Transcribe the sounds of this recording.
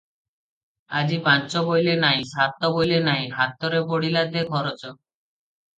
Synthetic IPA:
ad͡ʒipãnt͡ʃɔbojlenaj̃sat̪ɔbojlenaj̃ɦat̪ɔɾeboɽilad̪ekʰɔɾɔt͡ʃɔ

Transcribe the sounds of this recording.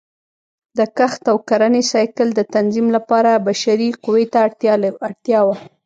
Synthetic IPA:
d̪əkaxt̪awkaɾanesɑjkɪld̪ət̪anzimlapɑɾabaʃaɾiqʊwet̪aaɽt̪jɑwa

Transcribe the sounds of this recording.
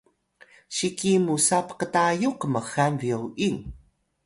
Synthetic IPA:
ʃikimusapqətajuqəməxanviowʔiŋ

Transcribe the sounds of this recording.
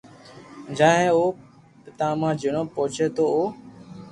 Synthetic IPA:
d͡ʒãːɦẽːoː | pɪt̪ãːmãːd͡ʒɪɳõːpoːt͡ʃʰeːt̪oːoː

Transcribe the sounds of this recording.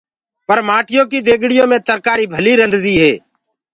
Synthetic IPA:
pəɾmaːʈɪjõːkiːd̪eːɡɽɪjõːmẽːt̪əɾkaːɾiːbʱəliːɾənd̪d̪iːɦeː

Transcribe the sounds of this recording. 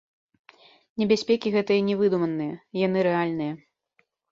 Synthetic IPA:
nʲɛbʲasʲpʲɛkʲiɣɛt̪ɐjɐnʲɛvɨd̪umɐnːɨjɐjanɨɾɛalʲnɨjɐ

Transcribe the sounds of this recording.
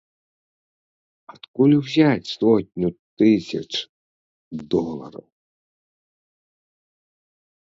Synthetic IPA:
ɐt̪kulʲwzʲat͡sʲsɔtʲnʲut̪ɪsʲɐ̰t͡ʃ | d̪ɔlˠɐ̰ɾɐ̰w

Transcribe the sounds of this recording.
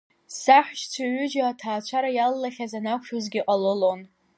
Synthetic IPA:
saħʷᶣʃt͡sʷʰaɥʏd͡ʒaatʰaːt͡ʃʷʰaɾajalːaχʲazanakʷʰʃᶣozɡʲiqʼalɨlon

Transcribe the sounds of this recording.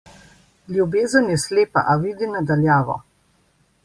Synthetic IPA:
ljubeːzənjɛsleːpa̰ʔaʋid̪inad̪aljaːʋɔ̰

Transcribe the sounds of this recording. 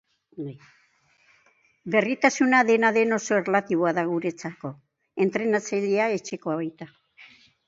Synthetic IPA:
be̞rit̪asunaðe̞naðe̞no̞so̞erlat̪iβ̞o̞aðaɣuɾe̞t͡sako̞ | e̞nt̪ɾe̞nat͡saʎeae̞t͡ʃe̞ko̞aβajt̪a

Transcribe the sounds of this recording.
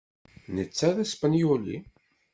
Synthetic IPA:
nət͡sːæðæspənjulḭ

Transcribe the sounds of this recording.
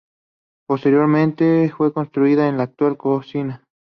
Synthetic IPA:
post̪e̞ɾjo̞ɾmẽnt̪efwe̞konst̪ɾuiðaenlaːk̚t̪walkosina

